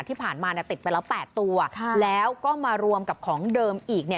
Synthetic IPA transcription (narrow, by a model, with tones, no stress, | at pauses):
t̪ʰiː˥˩pʰaː˨˩nmaː˧ni˥˩t̪i˨˩pa˧jlɛː˦˥wpɛː˨˩t̪ːu˧ɐlɛː˦˥wkɔː˥˩maː˧ɾu˧əmka˨˩p̚kʰɔː˩˦ŋdɤː˧mʔiː˨˩k̚ni˥˩